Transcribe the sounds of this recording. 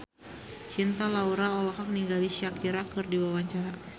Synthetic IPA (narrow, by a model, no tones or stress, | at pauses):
t͡ʃint̪alauɾaɔlɔɦɔk̚niŋɡaliʃiakiɾakɨrdiwawaɲt͡ʃaɾa